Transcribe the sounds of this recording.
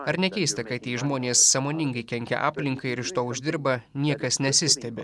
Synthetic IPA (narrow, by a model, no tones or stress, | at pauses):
ɐɾnʲɛkʲɛɪst̪ɐkɐɪt̪ʲiːʒmoːnʲeːsːɑmoːnʲɪŋɡɐɪkʲɛŋʲkʲɛ̰ʔɑ̰ːpʲlʲɪŋkɐɪɪɾɪʃt̪oːʊʒʲd̪ʲɪɾbɐnʲiɛkɐsnʲɛsʲɪsʲt̪ʲɛbʲɪ